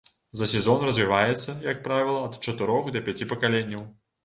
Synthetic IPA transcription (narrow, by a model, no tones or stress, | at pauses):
zɐsʲɛzɔnrɐzʲvʲivajɛt̪sːɐjɐk̚pɾavʲilˠɐɐt̪t͡ʂɐt̪ɨɾɔxd̪ɐpʲat͡sʲipɐkalʲenʲːɐw